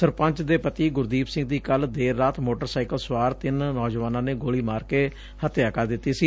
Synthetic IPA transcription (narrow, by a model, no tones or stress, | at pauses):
səɾpə̃ɲt͡ʃd̪eːpət̪iːɡʊɾd̪iːpsɪ̃ŋɡ̚d̪iːkəld̪eːɾːaːt̪moːʈəɾsaːɪkəlswaːɾt̪ɪnːɔːd͡ʒʋaːnãːneːɡoːɭiːmaːɾkeː | hət̪jaːkaːd̪ɪt̪ːiːsiː